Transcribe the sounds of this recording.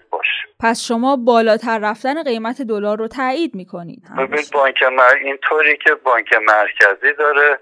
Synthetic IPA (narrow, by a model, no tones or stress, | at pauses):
bɒ̰ːʃe̥pʰæsʃo̞mɒːbɒːlɒːt̪ʰæɾːæfd̪æne̞ɢe̞jmæt̪ʰe̞d̪o̞lɒːɾːot̪ʰæiːd̪miːkʰo̞nḭːd̪̥mebinid̪̚bɒːɲcʰemæint̪ʰoːɾicʲʰebɒːɲcʰemæɾcʰæziːd̪ɒːɾe